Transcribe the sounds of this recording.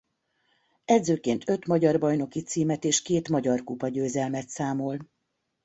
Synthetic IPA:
ɛd̪zøːkeːnt̪ʰø̞t̪mɒɟɒrbɒjno̞kit̪siːmɛt̪eːʃkeːt̪mɒɟɒrkupɒɟøːzɛlmɛt̪saːmo̞l

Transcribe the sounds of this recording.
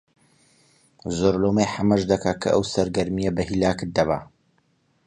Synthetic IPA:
zoɾlomejħamɐʒd̪ɐkʰaːkʰɐ̰ʔɐ̰wsɐɾɡɐɾmijɐbɐhilaːkɨt̪̚d̪ɐβa̰

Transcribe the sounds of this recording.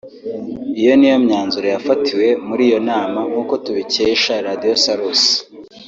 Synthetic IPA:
ijo̞nijo̞mɲaːnzuɾojafatʰiwe̞muɾiːjo̞naːmaŋuko̞tuβiceiʃaɾadijo̞saɾosi̥

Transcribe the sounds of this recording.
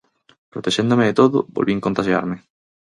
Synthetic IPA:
pɾot̪eʃend̪omeet̪oðʊ̰bo̰lβieŋkont̪aʃja̰ɾme

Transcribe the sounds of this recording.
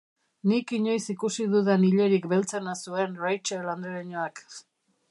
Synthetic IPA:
nikiɲo̞jsikusiðuðeniʎe̞ɾikbe̞lt͡se̞nasue̞nrajt͡ʃeland̪ɾeɾiɲoak

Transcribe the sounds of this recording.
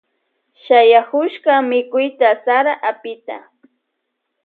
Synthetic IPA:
ʃajakʊʃkamɪkʊjt̪asaɾaʔapɪt̪a̰

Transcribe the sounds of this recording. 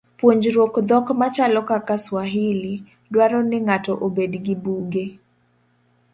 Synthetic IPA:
pwoɲd͡ʒɾwokd̪ɔkmat͡ʃalɔkakaswaɦili | dwaɾɔnɪŋatɔʔobedɡɪbuɡe

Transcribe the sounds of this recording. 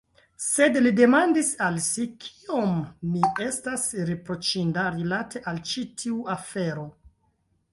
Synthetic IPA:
se̞dlide̞mandisalsikʰi̥omːie̞stasɾepɾo̞t͡ʃindaɾilatʰe̞ʔalt͡ʃitʰiuafeɾo̞

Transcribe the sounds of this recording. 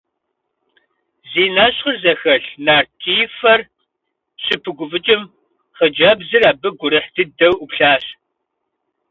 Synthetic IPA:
ziːnaːɕχərzɐxɐɬnaːrtʰiːfɐr | ɕɪpʰɨɡʷʊfɨt͡ʃʼɪm | χəd͡ʒɐbzɨraːbɨɡʷʊɾɨħdɨdɐwʔupɬaːɕ

